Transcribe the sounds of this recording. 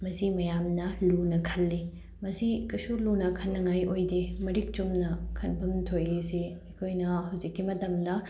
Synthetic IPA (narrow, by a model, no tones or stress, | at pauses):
mɐsimɐjamnɐlunɐkʰɐlːi | mɐsikɐsulunɐkʰɐnːɐŋajojdemɐɾik̚t͡ʃumnɐkʰɐnpʰɐmtʰojeseɐkʰojnɐɦɐwzikːimɐtɐmdɐ